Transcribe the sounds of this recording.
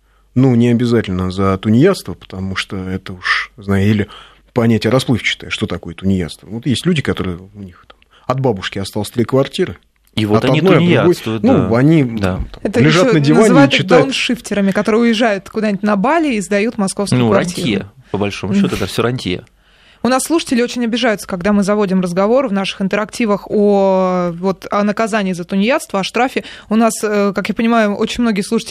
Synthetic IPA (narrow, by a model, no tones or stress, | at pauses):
nunʲɪɐbʲɪzatʲɪlʲnəzət̪ʊnʲɪjast̪vəpə̥t̪ɐmuʂt̪oɛt̪əuʂznajʊilʲɪ | pɐnʲætʲɪəɾɐsplˠɨft͡ɕɪ̥t̪aɪʂt̪o̞t̪ɐko̞jət̪ʊnʲɪja̰t̪st̪vəvot̪jesʲtʲlʲʉdʲɪkɐt̪o̞ɾɨjəʊnʲixt̪ḁm | ɐd̪̚babʊʂkʲɪɐst̪alˠəsʲt̪ɾʲikvɐrtʲiɾɨ | ivoɐt̪ɐdijdd̪ɾʊɡo̞jnuɐnʲid̪amt̪aɛt̪əlʲɪʐatnədʲɪnvanɨaɪt̪sɪd̪anʂɨftʲɪɾəmʲɪkɐt̪o̞ɾɨjəʊjɪʐajʊt̪kʊd̪anʲɪtʲnɐbalʲɪːzd̪ɐjut̪mɐskofsəjukvaɐnʲtʲt̪ʲiijə̰pəbɐlʲʂo̞mʊɕːo̞t̪ʊd̪afsʲoɾɐnʲtʲijə̰ | ʊnasːlˠuʂə̥tʲɪlʲɪot͡ɕɪnʲɐbʲɪʐajʊt̪sə̥kɐɡd̪amɨzɐvo̞dʲɪmrəzɡɐvo̞ɾvnaʂɨ̥xɨnt̪əɾɐktʲivəxo | vo̞t̪ɐnəkɐzanʲɪːzət̪ʊnʲjat̪st̪vəɐʂt̪ɾafʲɪʊnasəkakjapənʲɪmajʊot͡ɕɪnʲmno̞ɡʲɪjəslˠuʂɨ̥tʲɪ